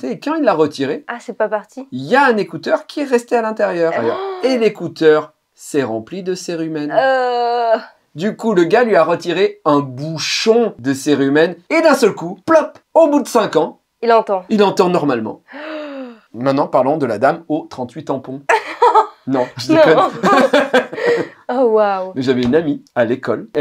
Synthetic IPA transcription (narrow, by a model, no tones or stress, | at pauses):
t̪eːkɑ̃ilːaʁət̪iʁeasɛpapaʁt̪iiljaɛ̃nekut̪œʁkʲʰiɛʁɛst̪ɛalɛ̃t̪ɛʁjœʁd̪aj̰ʁelekut̪œʁ | sɛʁɑ̃plid̪əsɛʁymɛn | d̪ykuləɡalɥiaʁət̪iʁeɛ̃buʃɔ̃d̪əsɛʁymɛned̪ɛ̃sœlkuplɔ̃pobud̪əsɛ̃kɑ̃ | ilɑ̃t̪ɑ̃ilɑ̃t̪ɑ̃nɔʁmalmɑ̰̃ | mɛ̃t̪nɑ̃paʁlɔ̃d̪əlad̪amot̪χɑ̃t̪ɥit̪ɑ̃pɔ̃ | nɔ̃ʒəɛ | owawmɛʒavɛynamialekɔl